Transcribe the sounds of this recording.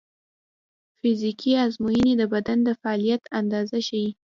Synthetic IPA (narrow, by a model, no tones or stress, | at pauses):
fɪzikʰiazmujəned̪əbad̪and̪əfaɑlijat̪and̪ɑzaʃawi